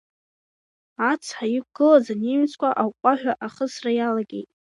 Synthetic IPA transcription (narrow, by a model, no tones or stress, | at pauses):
at͡sʰħajikʷɡ̥ɨlazanemt͡sʰʼkʷʰaʔawqʷʼaħᶣaʔaχəsrajalaɡʲḛjtʼ